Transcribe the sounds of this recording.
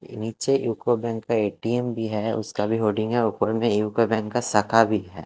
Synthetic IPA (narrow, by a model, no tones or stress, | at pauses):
niːt͡ʃejuːkobɛ̃ːŋkːaeːʈiːɛmbʱiɦɛʊ̰skabʱiɦoːɖɪ̃ŋɡɦɛʊkʰwəɾmẽjuːkobɛ̃ːŋkːasɐkabʱiɦɛ̰ː